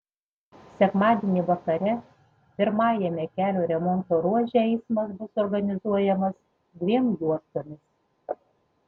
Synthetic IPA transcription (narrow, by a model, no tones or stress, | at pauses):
sʲɛkmɑːd̪ʲeɛnʲiʋɐkɐɾʲɛ | pʲɪɾmɑːjɛmʲɛkʲæːlʲoːɾʲɛmɔnt̪oːɾuɔʒʲɛɛɪsmɐsbʊsɔɾɡɐnʲɪzuɔjɛmɐs | d̪ʲʋʲiɛmjuɔst̪oːmʲɪs